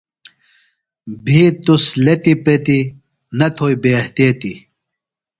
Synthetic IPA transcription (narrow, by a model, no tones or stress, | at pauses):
bʱit̪uslet̪ipet̪i | nɐt̪ʰoːjbeht̪et̪i